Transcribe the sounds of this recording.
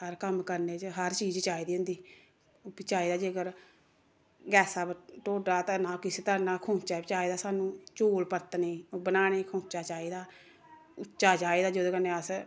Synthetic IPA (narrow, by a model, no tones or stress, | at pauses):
həɾkəmkəɾneːt͡ʃəɦəɾt͡ʃiːd͡ʒt͡ʃaːiːd̪iːɦʊ̃nd̪iː | pit͡ʃaːiːd̪aːd͡ʒiːəɡəɾ | ɡɛːsaːʈoːɖaːt̪ãːnãːkɪseːt̪əɾnãːkʰõːt͡ʃaːbt͡ʃaːiːd̪aːsaːnũːt͡ʃoːlpəɾt̪neːbənaːɽ̃eːkʰõːt͡ʃaːt͡ʃaːiːd̪aː | ʊt͡ʃaːt͡ʃaːiːd̪aːd͡ʒod̪õːkənːeːəs